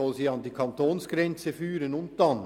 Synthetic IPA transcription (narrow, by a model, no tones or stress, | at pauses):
ɔlsiːɑndiːkʰɑntoːnsɡ̥ɾɛnt͡səfyːɾənʊnt̚d̥ɑn